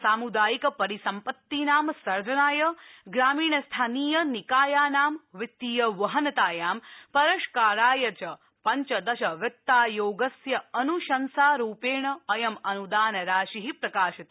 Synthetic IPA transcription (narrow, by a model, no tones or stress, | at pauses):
saːmud̪aːjikɐpɐɾisɐmpɐt̪ːinaːmsɐɾd͡ʒɐnaːjɐɡɾaːmiːɳɐst̪ʰaːniːjɐnikaːjaːnaːmʋit̪ːiːjɐʋɐɦɐnɐt̪aːjaːmpɐɾɐʃkaːɾaːjɐt͡ʃɐ | pɐɲt͡ʃɐd̪ɐʃɐʋjɐt̪ːaːjoːɡɐsjɐɐnuʃɐnsaːɾuːpeːɳɐɐjɐmɐnud̪aːnɐɾaːʃiɦipɾɐkaːʃɐt̪